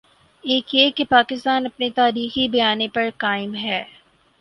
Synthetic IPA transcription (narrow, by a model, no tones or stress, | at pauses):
eːkjekepaːkɪst̪aːnɐpnet̪aːɾiːxibɐjaːnepɐɾkaːɪmɦɛː